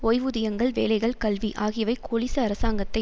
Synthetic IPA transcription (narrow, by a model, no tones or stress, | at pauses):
ɔjʋɯðɪjɐŋɡɐɭʋḛːlɐɪɣɐɭkɐlʋiʔaːɣɪjɐʋɐɪkoːɭɪsɐɐɾɐsaːŋɡɐt̪ːɐɪ